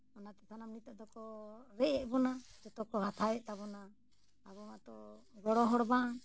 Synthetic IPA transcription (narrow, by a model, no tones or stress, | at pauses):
ɔnat̪ɛsʰanamnit̪aʔd̪ɔkɔɾɛʔɛʔbɔnad͡ʒɔt̪ɔkɔɦat̪ʰaɛʔt̪aβɔna | aβɔmat̪ɔɡɔɽɔɦɔɽba